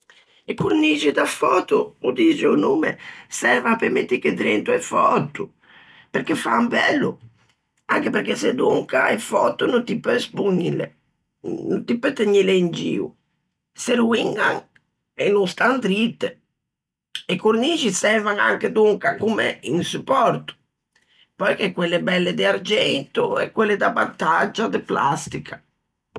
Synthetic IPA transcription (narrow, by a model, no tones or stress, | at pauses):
ekːuɾniːt͡ʃid̪afɔːt̪uud̪it͡ʃeunuːmḛsɛɾvapemet̪ːiked̪ɾɛnt̪uɛfɔt̪ːu | peɾkefambɛlːu | aŋkepeɾkesed̪uŋkaɛfɔt̪ːununt̪ipːøspuɲːilḛ | nunt̪ipːɛt̪ːeɲːileind͡ʒḭːṵ | seɾuiŋɡa̰ŋ | enːust̪ant̪ɾit̪ːe | ekːornit͡ʃisɛrvaŋa̰ŋked̪uŋkakumḛinsupːɔrt̪ʊ̥ | pɔjkɛkːwelːebɛlːed̪ɪard͡ʒɛnt̪uɛ̰kːwelːed̪abːat̪ːad͡ʒːad̪ɪpla̰st̪ikʰa